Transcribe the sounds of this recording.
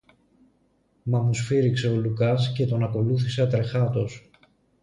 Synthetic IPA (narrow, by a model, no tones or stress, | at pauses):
mɐmusfiɾikse̞o̞lukɐsce̞t̪o̞nɐko̞luθise̞ɐt̪ɾe̞xɐt̪o̞s